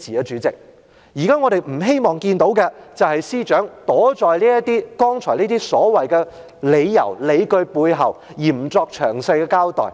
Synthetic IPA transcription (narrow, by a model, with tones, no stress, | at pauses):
t͡siː˨jɐ˨˧t͡ʃyː˨˥t͡sɪ˨˩k̚ | jiː˨˩kaː˥ŋɔː˨˧ɾe˨jm̩˨˩ɦe˥jmɔː˨˩ŋkiː˧nt̪o˨˥wkɛ˧t͡sɐ˨whɐ˨˩jsiː˥t͡ʃœː˨˥ŋt̪ɔː˨˥t͡ʃɔː˨jliː˥jɐ˥t̪iː˥kɔː˥ŋt͡ʃʰɔː˨˩nliː˥t̪iː˥sɔː˨˥wɐ˨jkɛ˧ | le˨˧jjɐ̰˨˩wle˨˧jkɵ˧ɥpuː˧jɦɐ̰˨˩w | jiː˨˩m̩˨˩t͡sɔː˧k̚t͡ʃʰœ̰ː˨˩ŋsa˧jkɛ˧kaː˥wt̪ɔ̰ː˨˩j